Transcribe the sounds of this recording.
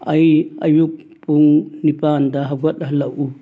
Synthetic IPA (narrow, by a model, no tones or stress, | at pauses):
ɐjɐjuk̚ | puŋnipandɐɦɐɡɔt̚ɦɐlɐʔu